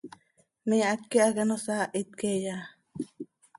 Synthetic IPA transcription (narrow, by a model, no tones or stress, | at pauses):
meat̪̚keakanosaʔit̪̚keja